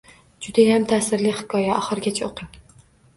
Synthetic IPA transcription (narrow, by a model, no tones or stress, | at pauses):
d͡ʒʊd̪ajamt̪ʰasɪɾlɪhɪ̥kʰɒjaɒχɨɾɡʲat͡ʃʰaoqʰɨ